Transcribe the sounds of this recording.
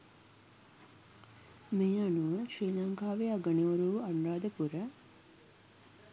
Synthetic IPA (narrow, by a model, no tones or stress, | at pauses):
meːanuʋəʃɾiːnaŋɡaːʋeaɡəɳeʋoɾuʋanɾaːd̪əpuɾə